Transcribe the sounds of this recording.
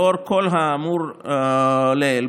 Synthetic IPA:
oɾkolɦaamuɾ | lel

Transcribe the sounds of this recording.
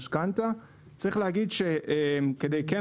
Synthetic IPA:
ʃkant̪a | t͡saʁiχleɦaɡid̪ʃeʔemked̪ejke

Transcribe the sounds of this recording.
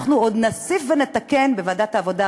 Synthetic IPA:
χnuod̪nasifvenet̪akke̞nbevad̪at̪aːvo̞d̪a

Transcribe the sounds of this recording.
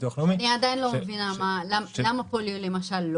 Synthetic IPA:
uχlominiad̪ajinlomevinamalamlamapoljulemaʃalːo

